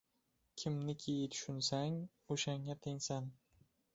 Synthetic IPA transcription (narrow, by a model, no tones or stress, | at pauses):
kʲʰɪmnɪkʲʰejɪt̪ʰʊ̥ʃʊnsaŋ | oʃaŋːat̪ʰeŋsan